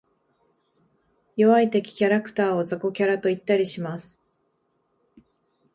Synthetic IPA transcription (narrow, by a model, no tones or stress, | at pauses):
joβait̪e̞kʲi̥kʲaɾakɯ̟̥t̪aːo̞zako̞kʲaɾat̪o̞it̪ːaɾʲiɕimasɨ̥